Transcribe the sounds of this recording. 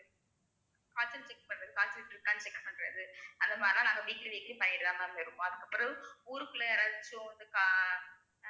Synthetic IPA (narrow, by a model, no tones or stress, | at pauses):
kaːt͡ʃɐnt͡ʃɛkːpɐɳɾɐðɯkaːt͡ʃːɐnʈːɪɾɯkːaːnɯt͡ʃɛkːpɐɳɾɐ̰ðɯɐðɐmaːdɾnãːnaːŋɡɐʋiːʈːlɐʋɛːkːɾipɐjɐɾɯðaːŋanɐɪɾɯkːõɐðɯkːɐpːɯɾɐðɯ̃uːɾɯpːɯlɐɾaðɪt͡ʃːɯõʋɐnd̪ɯka